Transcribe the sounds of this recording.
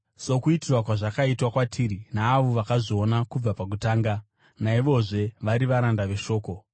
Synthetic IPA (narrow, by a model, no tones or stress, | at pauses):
so̞kuitirwakwaʐakaitwakwatʰiːɾinaːʋo̞ʋakaʐio̞nakub͡vapak̬utaːŋɡa | naiʋo̞ʐe̞ʋaɾiʋaɾandaʋe̞ʃo̞ːko̞